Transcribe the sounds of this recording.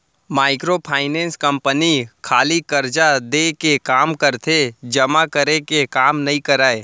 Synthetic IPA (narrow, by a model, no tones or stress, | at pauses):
maːɪkɾopʰaːɪnẽːnskɐ̃mpənikʰaːlikɐɾd͡ʒad̪ekekaːmkɐɾt̪ʰed͡ʒɐmakəɾekekaːmnɐĩkɐɾaːeː